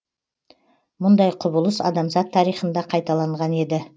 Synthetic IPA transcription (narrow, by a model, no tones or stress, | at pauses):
mʊnd̪ɑjqʰʊbəlˠəsɑ̰d̪ɑmzɑt̪ʰːɑɾijχənd̪ɑqʰɑjt̪ɑlˠɑɴʁɑne̞d̪ɪ